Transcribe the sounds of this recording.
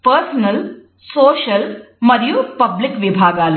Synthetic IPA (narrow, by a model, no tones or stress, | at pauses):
pəɾsnəl | soːɕəl | məɾjupəblikʋibʱaːɡal